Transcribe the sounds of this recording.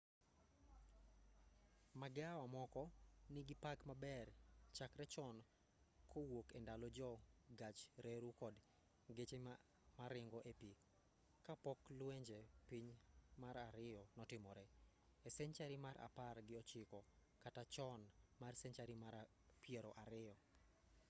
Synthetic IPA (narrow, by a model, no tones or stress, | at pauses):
maɡɪawamɔkɔnɪɡɪpakmabɛrt͡ʃakɾɛt͡ʃɔn | kʰowokendalɔd͡ʒɔɡat͡ʃɾeɾukɔd | ɡet͡ʃe | maɾɪŋɡɔʔepi | kapɔklweɲd͡ʒepiɲmaɾaɾɪjɔnɔtɪmɔɾɛ | ɛsɛɲt͡ʃaɾimaɾʔa̰parɡɪɔt͡ʃɪkɔ | katat͡ʃɔnmarsɛɲt͡ʃaɾia | pjeɾɔʔaɾɪɔ